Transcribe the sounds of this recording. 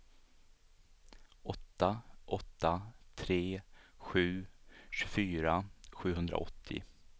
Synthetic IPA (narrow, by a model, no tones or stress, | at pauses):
ʔɔt̪ːaʔɔt̪ːat̪ʰɾeːɧʉ̟ːɕʉfyːɾaɧʉ̟ːɦɵnd̪ɾa̰ɔ̰t̪ʰːɪ̰